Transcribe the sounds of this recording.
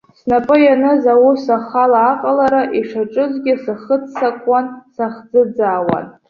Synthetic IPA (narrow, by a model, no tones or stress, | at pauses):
snapʼɨjanɨzawusaχalaːqʼalaɾaʔiʂaʈ͡ʂʼɨzɡʲɪsɨχət͡sʰːakʷʼansaχd͡zɨd͡zaːwa̰n